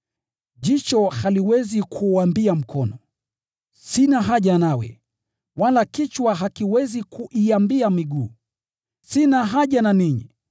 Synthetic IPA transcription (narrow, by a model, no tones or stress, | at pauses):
ʄit͡ʃɔhaliwɛzikʰuambiam̩kʰɔnɔ | sinaɦaʄanawɛ̰ | walakit͡ʃwaɦakiwɛzikuʔiambiamiɡuː | sinaɦaʄananiɲḭ